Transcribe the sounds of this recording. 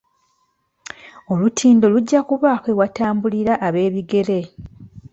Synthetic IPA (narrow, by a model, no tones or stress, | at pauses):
o̞lutʰiːndo̞luɟːakuβaːxwewataːmbuliɾaʔːβe̞ːβiɡe̞le̞